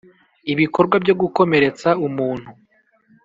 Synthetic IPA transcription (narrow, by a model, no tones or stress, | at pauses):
iβiko̞ɾɡwabɟo̞ɡuko̞me̞ɾe̞t͡saumuːn̥hu